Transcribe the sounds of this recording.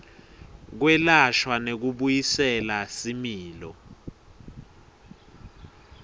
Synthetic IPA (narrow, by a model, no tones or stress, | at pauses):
k̬wɛlaʃwanek̬uɓujisɛlasimiːlɔ̰